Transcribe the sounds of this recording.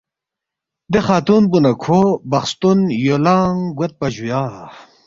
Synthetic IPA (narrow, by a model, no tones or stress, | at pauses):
d̪exaːt̪uːnbunɐkʰobɐxst̪unjolaːŋɡwɐt̪̚pɐʑujaː